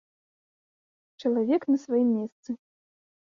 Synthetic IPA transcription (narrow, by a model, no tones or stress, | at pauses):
t͡ʂɐlˠavʲɛknɐsvajimːʲɛst̪sɨ